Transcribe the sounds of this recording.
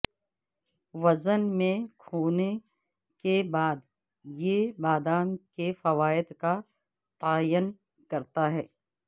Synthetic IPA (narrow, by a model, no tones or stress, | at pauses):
ʋɐzənmẽkʰoːne | kebaːd̪ | jebaːd̪aːnkefɐʋaːɪd̪ka | t̪aːjən | kɐɾt̪aɦɛː